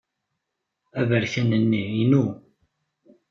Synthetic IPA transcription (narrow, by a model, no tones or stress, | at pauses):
ævəɾçænənːiinu